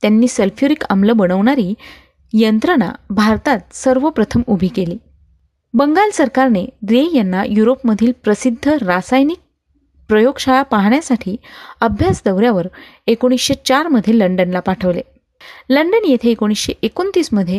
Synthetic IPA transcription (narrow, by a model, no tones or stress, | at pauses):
t̪janːiːsəlfʰjoɾika̰mləbəɽ̃əʋɳaɾiː | jənt̪ɾəna̰bʱaɾt̪at̪̚səɾʋəpɾət̪ʰəmubʱiːkeliː | bəŋɡalsəɾkaɾneɾejanːajuɾopməd̪ʱiːlpɾəsid̪ʱːəɾasajnik̚ | pɾəjoɡɕaɭapaɦɳjasaʈʰiːəbʱjasd̪əʋɾjaʋəɾekoɽ̃isɕet͡ɕaɾməd̪ʱjeləɳɖənlapaʈʰəʋle | ləɳɖənjet̪ʰeːkoɽ̃isɕeʔekont̪iːsməd̪ʱje